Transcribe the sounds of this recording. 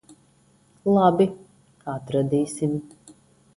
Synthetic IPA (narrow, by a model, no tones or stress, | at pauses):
lˠabi | at̪ɾad̪iːsim